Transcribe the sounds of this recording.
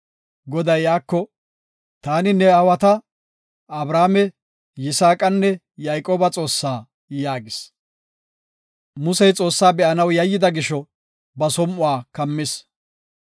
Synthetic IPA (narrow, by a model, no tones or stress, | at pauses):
ɡɔd̪ɐjaːkːɔ | t̪aːnɪnːɛɐwɐt̪ɐ | ɐbɾaːmɛ | jɪsaːkʼɐnːɛ | jajkʼoːbɐt͡sʼo̞ːsːaː | jaːɡɪs | mʊsɛjt͡sʼo̞ːsːaːbɛʔɐnɐwjɐjːɪd̪ɐɡɪʃɔ | bɐsɔmʔʊwaːkɐmːɪs